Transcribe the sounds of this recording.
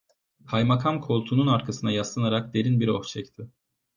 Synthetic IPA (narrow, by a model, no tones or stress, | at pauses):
hʰajmakʰamkʰo̞lˠt̪ʰununaɾkʰasɯnajaslˠanaɾak̚d̪e̞ɾinbiɾo̞ft͡ʃʰɛct̪ʰɪ